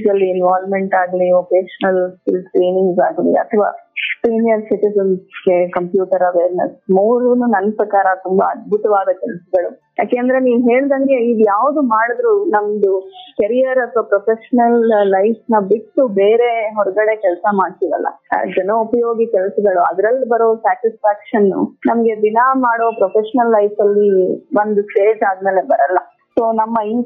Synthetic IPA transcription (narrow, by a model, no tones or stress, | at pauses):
d͡ʒɐlːiːnʋaːlmeɳʈaːɡliopeːʃɐnɐlskilskɾiːniŋɡsaːɡlḭɐ̰t̪ʰɐʋa̰ːsiːnijɐɾsiʈizɐnsɡe̞kɐmpjuːʈɐɾɐʋeːɾnɐsmuːɾununɐnːpɾɐkaːɾɐt̪umbɐɐd̪̚bʱut̪ɐʋaːd̪ɐkɛlɐsɐɡɐɭuja̰ːkeːɐnd̪ɐɾe̞niːʋuɦe̞ːɭd̪ɐŋɡe̞id̪ujaːʋd̪umaːɽud̪ɾunɐmd̪ukɐɾijɐɾpɾopɾopʰeʃɐnɐlːɐjsnɐbiksubeːɾe̞ɦɔɾɐɡɐɽe̞kɛlsɐmaːɽt̪iʋɐ̰lːɐ̰d͡ʒɐnːɐupɐjo̞ːɡikɛlɐsɐɡɐɭuɐ̰d̪ɾɐlːbɐɾoːsaːʈispʰaːkʂɐnːṵnɐmɐɡe̞d̪inɐmaːɽoːpɾopʰeʂɐnɐlːɐjfɐlːiʋond̪usʈeːd͡ʒaːd̪meːle̞bɐɾɐlːɐ | soːnɐmːɐin